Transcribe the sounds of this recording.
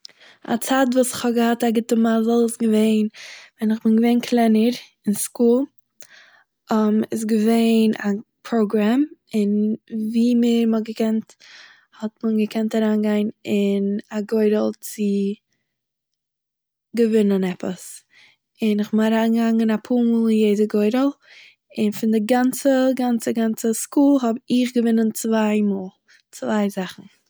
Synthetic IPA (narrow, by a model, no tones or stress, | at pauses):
a̰t͡saːtvuːsɪ̥χhɔb̚ɡəhataɡɪtəmazɔlˠəsɡəveɪnvɛnɪχbɪnɡəveɪnkʰlˠɛnəɾ | ɪnskuːlˠ | ɔmɪs̬ɡəveɪnapʰɾoʊɡɾamɪnviːmɪɾməɡəkɛnt | hɔtmənɡəkʰɛntaɾaːnɡaɪnɪnaɡɔɪɾəlˠt͡sɪ | ɡəvɪnənɛpəs | ɪnɪχbɪaɾaːnɡaŋɪnapʰuːɾmuːlˠjeɪdəɡɔɪɾəlˠ | ɪnfɪndɪɡant͡səɡant͡səɡant͡səskuːlˠɦɔbɪχɡəvɪnənt͡svaɪmɔːlˠ | t͡svaɪzaχn̩